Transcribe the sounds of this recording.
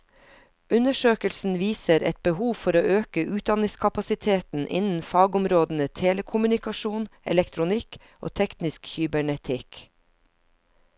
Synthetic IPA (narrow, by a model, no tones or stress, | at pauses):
ʉnəʃøːkəlsn̩ʋiːsəɾʔɛ̰t̪̚bəhuːʋfɔɾoːʔøːkəʔʉːt̪̚d̪ɑnɪskʰɑpɑsɪt̪ʰeːt̪n̩ʔɪ̰nn̩fɑːɡʊmɾoːd̪n̩ət̪ʰeːləkʰʊmʉnɪkɑʃuːnɛ̰lɛkt̪ʰɾʊnɪk | ʔo̰ːt̪ʰɛknɪskçʏbəɳɛt̪ʰɪk